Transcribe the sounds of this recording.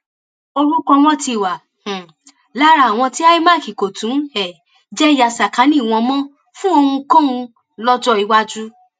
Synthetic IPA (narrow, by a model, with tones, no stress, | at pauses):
o˧ɾu˦kɔ˧w̃ɔ̃˦ti˧˨wã˨ | la˦ɾa˧˨w̃ɔ̃˧ti˦a˦i˦ma˦˨ki˨ko˨tũ˨˦ɛ˨ | d͡ʒɛ˦i˦ja˧sa˨kã˨˦nĩ˦˨w̃ɔ̃˧mɔ̃˦ | fũ˦o˧hũ˧kɔ̃˦ũ˧ | lɔ˦d͡ʒɔ˦i˧wa˦d͡ʒu˦